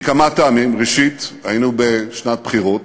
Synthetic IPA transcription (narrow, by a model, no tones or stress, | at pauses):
kamataamimʁeʃit̪hajinubeʃnat̪̚bχiʁo̞t